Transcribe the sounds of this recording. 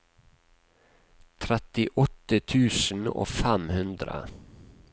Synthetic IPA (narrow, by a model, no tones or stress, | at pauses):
t̪ʰɾɛt̪ɪʔɔt̪ət̪ʰʉːsn̩o̰ːfæmhʉnd̪ɾə̰